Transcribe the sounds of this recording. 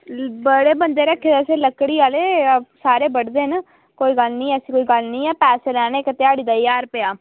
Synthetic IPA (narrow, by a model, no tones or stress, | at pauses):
bəɽeːbənd̪eːɾəkʰːeːseːləkːɽiːaːleːsaːɾeːbəɽd̪eːn | koːiːɡəlnĩːɛːsiːkoːiːɡəlnĩːɛːpɛːseːɾɛ̃ːneːkt̪ɪaːɽiːd̪aːjaːɾpɪjaː